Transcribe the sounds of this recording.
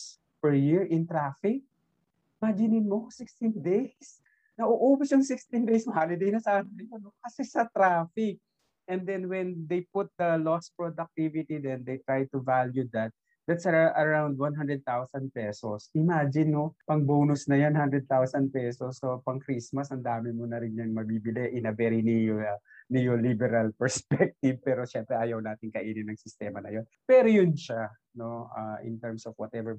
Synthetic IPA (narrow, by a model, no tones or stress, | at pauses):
s | pɛɹjɪɹʔɪ̃nt̪ɾafɪk̚ | mad͡ʒɪnɪnmosɪkst̪ind̪ejs | nɐʔʊʔuːbɐsjʊŋsɪkst̪ĩnd̪ejsmɐhalɪd̪ejnɐsaːnɐnɐjonokɐsɛsɐt̪ɾaːfɪk̚ | ʔɛ̃nd̪ɛ̃nwɛnd̪ejpʊt̪̚d̪ɐlɔspɹod̪ɐk̚t̪ivɪt̪id̪ɛnd̪ejt̪ɹaj̚t̪ʊvaljud̪ɐt̪̚ | d̪ɐt̪sɐʔɐɹawnd̪̚wãnɦãnd̪ɹɛd̪̚t̪awsɐnd̪̚pɛsosʔɪmad͡ʒɪnːopɐŋboːnʊsnɐjanhand̪ɾɛd̪̚t̪awsɐnd̪̚pɛsosopɐŋkɾismɐsɐnd̪aːmɪmunɐɾɪnjanmɐbibɪlɛʔɪnɐvɛɾinɪjnɪjolibɛɾɐlpɛɹspɛk̚t̪iv̚pɛːɾo̞ʃɛmpɾɛʔaːjɐwnaːt̪ɪŋkɐʔiːnɪnɐŋsɪst̪ɛːmɐnɐ̰jo̞npɛɾojʊnʃa | no̞aʔɪ̰̃nt̪ɛɹmsɔvwɐt̪ɛvɛɹ